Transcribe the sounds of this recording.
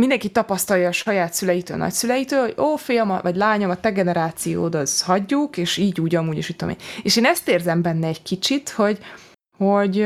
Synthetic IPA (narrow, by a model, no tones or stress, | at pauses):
mind̪ɛŋkit̪ːɒpɒst̪ɒljɒːʃɒjaːt̪sylɛjit̪ø̰ːlnɒ̰csylɛjit̪øːlho̞̰̥oːfijɒmɒvɒɟlaːɲomɒt̪ɛɡɛnɛɾaːt̪sijo̰ːd̪ozhɒɟːukeːʃiːɟuːɟɒmuːɟeːʃit̪ːomḭeːʃeːnɛst̪eːrzɛmbɛnːɛɛɟkit͡ʃit̪ho̞ɟ | hoɟ